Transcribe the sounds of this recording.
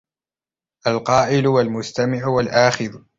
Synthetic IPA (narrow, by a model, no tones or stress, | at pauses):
ʔalqɑːʔɪlʊwalmʊst̪amɪʕʊwalʔaːxɪð